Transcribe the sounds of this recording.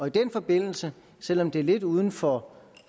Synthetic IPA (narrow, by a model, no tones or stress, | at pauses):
ɒ̽id̥enfɒ̽b̥e̝n̰l̩sə | sel̰ɒ̽md̥e̝æɐle̝d̥uːð̞ˠn̩fɒ